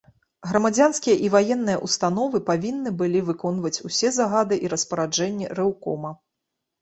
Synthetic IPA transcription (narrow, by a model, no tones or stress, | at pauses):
ɣɾɐmad͡zʲanskʲijɐʔivajɛnːɨjɐ̰ʔust̪anɔvɨpavʲinːɨbɨlʲivɨkɔnvɐt͡sʲusʲɛzaɣad̪ɨʔiɾɐspɐɾad͡ʐɛnʲːɛ̰ɾɛwkɔ̰mɐ